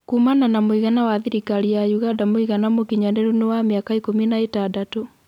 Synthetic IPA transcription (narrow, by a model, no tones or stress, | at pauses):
kuːmananamoiɣanawaðiɾikaɾijajuɣadamoiɣanamokiɲɔndɛɾunewameakaikominaetadato